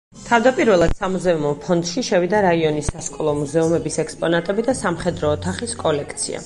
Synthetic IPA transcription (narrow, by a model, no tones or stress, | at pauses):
t̪ʰavd̪apʼiɾvɛlˠad̪̥samuzɛumɔpʰɔnd̪ʃiʃɛvid̪aɾaiɔnisːaʃkʼɔlˠɔmuzɛumɛbisɛkspʼɔnat̪ʼɛbid̪asamχɛd̪ɾɔːt̪ʰaχiskʼɔlɛkʰt̪sʰḭa̰